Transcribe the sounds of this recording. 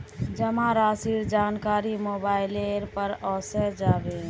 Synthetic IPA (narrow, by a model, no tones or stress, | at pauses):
d͡ʒəmãɾaːsiɾd͡ʒaːnkaːɾimoːbaːɪleɾpəɾɔːsəɾd͡ʒaːbe